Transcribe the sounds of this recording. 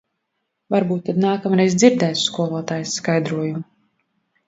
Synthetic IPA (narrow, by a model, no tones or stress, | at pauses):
vaɾbuːt̪ːad̪naːkamɾɛjzd̪ziɾd̪ɛːt̪skuɔlˠuɔt̪aːjsskajd̪ɾuɔjumu